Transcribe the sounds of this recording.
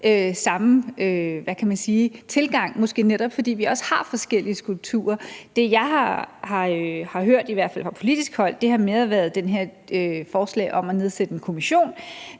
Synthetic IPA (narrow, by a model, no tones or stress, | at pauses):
ʔøsɑ̈møʋækʰæmænsiːt͡sʰe̝lɡ̥ɑ̈ŋ̰mɒ̽sɡ̥e̝̰ːneɾ̥ɒ̽b̥fɒ̽d̥ḭːʋiɒ̽shɑ̈fɒ̽sɡ̥el̰iəsɡ̥ʁulb̥̚t͡sʰṵːɐd̥e̝jɑ̈ɪhɑ̈hɑ̈øhɑ̈ɦøɐ̰d̥iʋæɐ̰d̥fæl̰fʁɑ̈pʰo̝lid̥isɡ̥hɒ̽l̰d̥e̝hɑ̈meðˠɐʋæɐð̞̩ˠd̥enɦe̝ɐ̰ | øfɒːslɛ̰ːɪʔɒ̽mæne̝ðˠsed̥əenkʰo̝miɕo̝̰ːn